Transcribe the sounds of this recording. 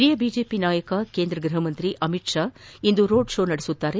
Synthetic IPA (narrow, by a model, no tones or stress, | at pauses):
ɾiːjɐbiːd͡ʒe̞ːpinaːjɐkɐkeːnd̪ɾɐɡɾɐɦɐmɐnt̪ɾiʔɐmiʈʂaːind̪uɾoːɖʂoːnɐɽesut̪ːaːɾe